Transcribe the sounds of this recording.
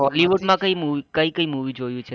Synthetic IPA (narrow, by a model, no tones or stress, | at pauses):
ɦɔliʋuʈmãkəimuikəikəimuʋid͡ʒojũt͡ʃʰe